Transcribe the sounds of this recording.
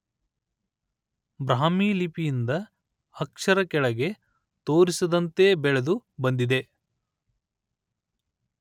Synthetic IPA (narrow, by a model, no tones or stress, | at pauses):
bɾaːmiːlipijind̪ɐː | kʂɐɾɐkɛɭɐɡe̞ | t̪o̞ːɾisɐd̪ɐnt̪e̞ːbɛɭed̪ubɐnd̪id̪e̞